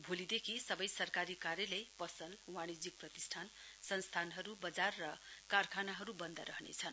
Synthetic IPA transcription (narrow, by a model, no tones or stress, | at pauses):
bʱolid̪ekʰisʌbʌjsʌrkaɾikarjʌlʌjpʌsʌlwaɽ̃id͡zik̚prʌt̪isʈʰansʌnst̪ʰanɦʌɾubʌd͡zarːʌkarkʰanaɦʌɾubʌnd̪ʌɾʌɦnḛt͡sʰʌn